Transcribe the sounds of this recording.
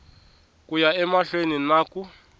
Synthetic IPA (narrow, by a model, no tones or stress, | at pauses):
kujaɛmaɬweninaku